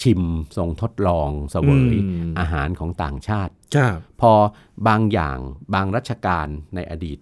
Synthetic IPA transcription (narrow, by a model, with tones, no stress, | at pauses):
t͡ɕʰi˧mso˧ŋt̪ʰo˦˥t̪̚lɔː˧ŋsa˧wa˨˩˦jʔaː˧ɦaː˩˦nkʰɔː˩˦ŋt̪a̰ː˨˩ŋt͡ɕʰaː˥˩t̪̚ʰa˥˩pʰɔː˧ | baː˧ŋja̰ː˨˩ŋbaː˧ŋɾaː˦˥˩t̪̚t͡ɕʰa˧kaː˧nːa˧jʔa̰ː˧diː˨˩t̪̚